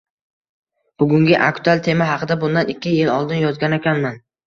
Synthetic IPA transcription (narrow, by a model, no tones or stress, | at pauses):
b̥ʊɡʲʊŋɡʲɪʔa̰kt̪ʰʊalt̪ʰe̞maɦɑqʰɨd̪abʊnd̪anɪkʲːɪjɪlɒlˠd̪ɪnjɒzɡʲanekʲʰanman